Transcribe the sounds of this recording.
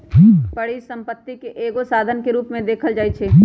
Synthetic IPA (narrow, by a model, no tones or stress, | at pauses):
pɐɽisɐ̃mpət̪ːikeʔeːɡosaːd̪ʱənkeɾuːpmẽd̪eːkʰəld͡ʒaːit͡ʃʰeː